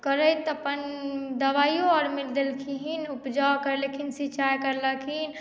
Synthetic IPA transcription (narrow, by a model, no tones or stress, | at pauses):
kəɾəjt̪əpənd̪əʋajoɔɾmild̪elkʰiɦinupd͡ʒakəɾlekʰinsiːt͡ʃajkəɾləkʰin